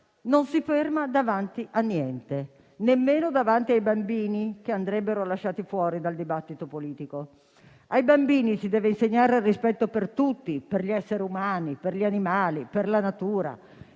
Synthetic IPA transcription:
nonsifermad̪avant̪iʔanːjɛnt̪e | nemːeːnod̪avant̪iajbambiːnik̟eand̪ɾɛbːeɾolaʃːaːt̪ifwɔːɾid̪ald̪ibat̪ːit̪opoliːt̪iko | ajbambiːnisid̪ɛːveinseɲːaːɾearːispɛt̪ːopert̪ut̪ːiperʎiɛsːeɾiumaːniperʎanimaːliperlanat̪uːɾa̰

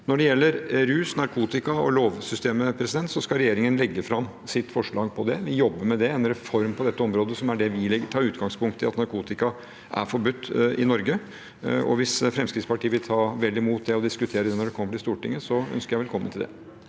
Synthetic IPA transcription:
nɔɖɛjɛlːəɾɾʉːsnɑɾkʰuːt̪ɪkɑɔloːʋsʏst̪eːməpʰɾɛsɪd̪ɛnt̪sɔskɑɾɛjeːɾɪŋənlɛɡːəfɾɑm | sɪt̪ːfɔʂɭɑːɡpʰɔd̪ɛʋɪjɔbːəmɛd̪ɛɛnɾɛfɔɾmpʰɔd̪ɛt̪ːəɔmɾoːd̪əsɔmæɖɛʋɪlɛɡt̪ʰɑːɾʉːt̪ɡɑŋspʰʊŋkt̪ʰːɪlɑt̪nɑɾkʰuːt̪ɪkɑ | ʔæ̰fɔɾbʉt̪ːɪnɔɾɡə | ɔ̰ʋɪsfɾɛmskɾɪt̪spɑʈiːəʋɪlt̪ʰɑːʋɛlːɪmuːt̪̚d̪ɛɔd̪ɪskʉt̪ʰeːɾəd̪ɛnɔɖɛkʰɔmːəʈɪst̪uːʈɪ̰ŋːəsɔœ̰nskəɾjæɪʋɛlkɔmːənt̪ɪld̪ɛ̰

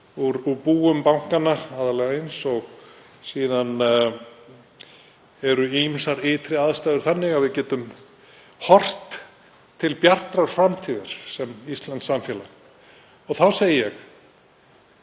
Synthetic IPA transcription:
uɾupuːʏmpawŋ̥kanːaaːðalɛɣaejnsɔɣ | siːðan | ɛɾʏimsaɾɪːt̪ʰɾɪaðst̪ajðʏɾ̥θanːɪɣavɪðcɛːt̪ʏm | hɔr̥t̪ | t̪ʰːɪlpjar̥t̪ɾaɾ̥fɾamt̪ʰiːðaɾ̥sɛmist̪land̪samfjɛla | ɔɣθawseːjɪjɛx

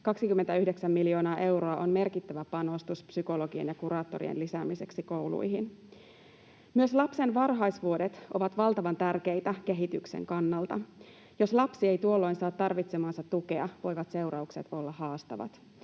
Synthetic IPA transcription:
kɑksikymːent̪æyhdeksæmːiljo̞ːnɑːʔe̞wɾo̞ɑʔonme̞rkit̪ːæʋæpɑno̞st̪uspsyko̞lo̞ɡienjɑkuɾɑːt̪ːo̞ɾḭḛnlisæmise̞ksiko̞wlṵjɦin | myøslɑpse̞nʋɑrɦɑjsʋuodet̪ʔo̞ʋɑt̪ʋɑlt̪ɑʋɑnt̪ærke̞jt̪æke̞ɦit̪yksḛŋkɑnːɑlt̪ɑ | jo̞slɑpsiejt̪uolːo̞jnsɑːt̪ːɑrʋit̪semɑːnsɑt̪ːuke̞ɑʋo̞jʋɑt̪se̞uɾɑukset̪o̞lːɑhɑːst̪ɑ̰ʋɑ̰t̪

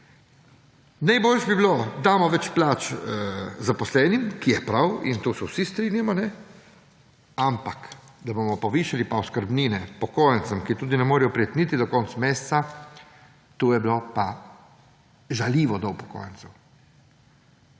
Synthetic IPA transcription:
najboːlʃɛbibilod̪aːmɔʋɛt͡ʃplaːt͡ʃ | zapɔslɛːnimkijɛpɾawḭnt̪uːsɛwsist̪ɾinjamɔnɛ | ampak | d̪abomɔpɔʋiːʃalipaɔskəɾbniːnɛpɔkoːjənt̪səmkit̪uːd̪inɛmoːɾijɔpɾijɛt̪niːt̪id̪ɔkɔnt̪smeːst̪sa | t̪uːjɛbilopa | ʒaliːʋɔd̪ɔwpɔ̥ko̰ːjənsɐw

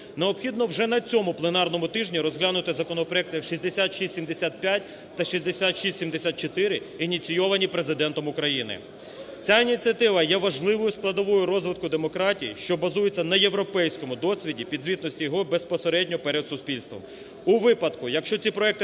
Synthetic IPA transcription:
neɔpxʲid̪nɔwʒɛnɐt͡sʲɔmʊplˠenɑrnɔmʊt̪ɪʒnʲiɾɔzɦlʲanʊt̪ɪzɐkɔnɔpɾɔɛk̚t̪ɪʃizʲd̪esʲat̪ʃisʲtʲimd̪esʲat̪̚pʲjat̚ʲ | t̪ɐʃizʲd̪esʲat̪ʃisʲsʲimd̪esʲat̪̚t͡ʃɔt̪ɪɾɪ | inʲit͡sʲijɔʋɐnʲipɾezɪd̪ɛnt̪ɔmʊkɾɐjinɪ̰ | t͡sʲainʲit͡sʲiɐt̪ɪʋɐjɛʋɐʒlˠɪʋɔjʊsklˠɐd̪ɔʋɔjʊɾɔzʋɪt̪̚kʊd̪emɔkɾɑtʲijḭʃt͡ʃɔbɐzujet͡sʲːɐnɐjewɾɔpɛjsʲkɔmʊd̪ɔsʲʋʲidʲipʲid̪zʲʋʲit̪nɔsʲtʲijɔɦɔbe̞spɔseɾɛdʲnʲɔpɛɾed̪sʊspʲilʲst̪ʋɔ̰m | uʋɪpɐd̪kʊjɐkʃt͡ʃɔt͡sʲipɾɔɛk̚t̪ɪ

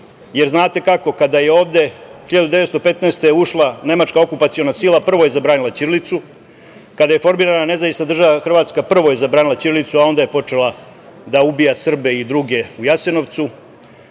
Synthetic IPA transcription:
je̞ɾznaːt̪e̞kako̞kad̪aje̞o̞ːʋd̪e̞xiʎad̪ud̪eet̪st̪o̞pe̞t̪nest̪euʃlˠane̞mat͡ʃkao̞kupat̪sijo̞nasilˠapr̩ʋo̞jezabɾaːnilat͡ʃiɾlit̪su | kad̪aje̞fo̞ɾmiːɾanane̞zaʋist̪ad̪r̩ʒaʋaxr̩ʋaːt̪skapr̩ʋo̞je̞zabɾaːnilat͡ɕiɾlit̪suao̞nd̪aje̞po̞t͡ʂe̞la | d̪aubijasr̩be̞id̪ɾuɡe̞ujase̞no̞ʋt̪su

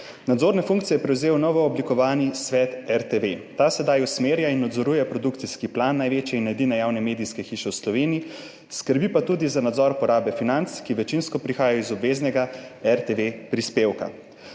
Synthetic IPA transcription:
nad̪zoːɾnɛfuŋk̚tsijɛpɾɛwzeːwnɔʋɔːblikɔʋaːnisʋɛt̪ɛɾt̪eʋet̪asɛd̪ajusmeːɾjainːɔd̪zɔɾuːjɛpɾɔd̪ukt̪siskiplanːajʋeːt͡ʃjɛinːɛjd̪iːnɛjawnɛmeːd̪iskɛxiʃɛwslɔʋeːnii | skəɾbipat̪uːd̪izanad̪zɔɾpɔɾaːbɛfinant̪skiʋɛt͡ʃinskɔpɾixaːjajɔizɔbʋeznɛɡaɛɾt̪eʋepɾispeːwka̰

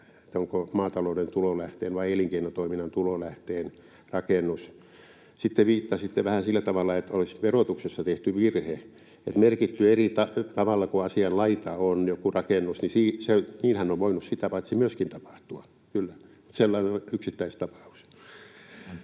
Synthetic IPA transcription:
et̪ːoŋkomɑːt̪ɑloudent̪ulolæht̪eːnʋɑieliŋkeinont̪oiminːˑɑnt̪ulolæht̪eːn | rɑkenːus | sit̪ːeʋiːt̪ːɑsit̪ːeʋæhæsilːæt̪ɑʋɑlːɑet̪olisʋerot̪uksesːɑt̪eht̪yʋirhe | ḛt̪merkit̪ːyerit̪ɑt̪ɑʋɑlːɑkuɑsiɑllɑit̪ɑonjokurɑkenːusnisiːseniːlhænːoʋʋoinussit̪æpɑit̪simyøskint̪ɑpɑ̥ht̪uɑ | kylːæmut̪selːɑinoyksit̪ːæist̪ɑpɑ̥u̥s

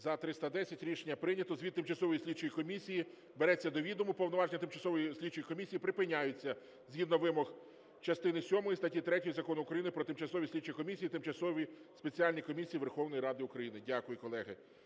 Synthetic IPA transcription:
zɐt̪ɾɪst̪ɐd̪ɛsʲɐtʲɾʲiʃenʲːɐpɾɪnʲɐt̪ɔzʋʲid̪t̪ɪmt͡ʃɐsɔʋɔjisʲlʲit͡ʃɔjikɔmʲisʲiji | beɾɛt͡sʲːɐd̪ɔʋʲid̪ʊmʊpɔwnɔʋɑʒenʲɐt̪ɪmt͡ʃɐsɔʋɔjisʲlʲit͡ʃɔjikɔmʲisʲijipɾɪpɪnʲːajʊt͡sʲːɐ | zʲjʲid̪nɔʋɪmɔx | t͡ʃɐst̪ɪnɪsʲɔmɔjist̪ɐtʲit̪ɾɛtʲɔjizɐkɔnʊʊukɾɐjinɪpɾɔt̪ɪmt͡ʃɐsɔʋʲisʲlʲit͡ʃɔjikɔmʲisʲijit̪ɪmt͡ʃɐsɔʋʲispe̞t͡sʲialʲnʲikɔmʲisʲijiʋerxɔwnɔjiɾɑd̪ɪʊkɾɐjinɪdʲakʊjʊkɔlˠɛɦɪ

